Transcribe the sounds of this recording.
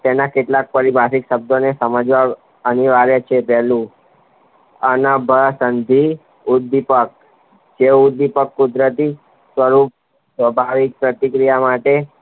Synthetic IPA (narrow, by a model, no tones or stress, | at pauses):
t̪enakeʈlak̚pəɾibʱasikʃəb̚d̪ʱonesəməd͡ʒʋa | əniʋaɾet͡ʃʰepɛɦlũ | ənəbʱəsənd̪ʱi | ud̪ipək̚ | d͡ʒeud̪ipəkːud̪ɾət̪i | sʋəɾup̚ | sʋəbʱaʋik̚pɾət̪ikɾijamaʈe